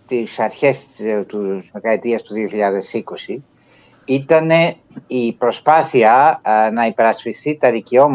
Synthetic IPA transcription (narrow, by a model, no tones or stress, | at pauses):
t̪isɐɾçe̞st̪uzðekɐet̪iɐst̪uðioçiʎɐðe̞siko̞si | it̪ɐne̞ | ipɾo̞spɐθiɐnɐipe̞ɾɐspist̪it̪ɐðiceo̞m